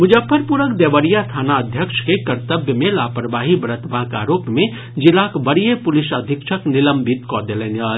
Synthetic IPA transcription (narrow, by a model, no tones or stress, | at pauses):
mud͡ʒəpʰːəɾpuɾəkd̪eʋəɾijast̪ʰanaəd̪ʱjəkt͡ʃʰkekəɾt̪əbjəmelapəɾbaɦibəɾət̪bʱaɦka̰ɾopme | d͡ʒilakbəɽijepulisəd̪ʱikt͡ʃʰəkniləmbʱit̪kɔd̪eleneəl